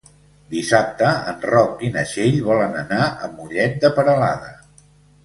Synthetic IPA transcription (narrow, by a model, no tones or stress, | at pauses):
d̪isap̚t̪əənrɔk̚inəʃeʎβɔlənənaə̰muʎɛt̪̚d̪əpəɾəla̰ðə